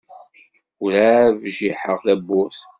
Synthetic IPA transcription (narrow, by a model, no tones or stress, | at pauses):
ulævʒiħəʁlæbːuθ